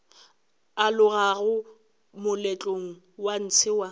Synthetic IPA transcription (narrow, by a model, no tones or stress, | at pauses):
alʊɣaɣʊ | mʊlɛt͡ɬʼoŋ̩ | wan̩t͡sʰɪwa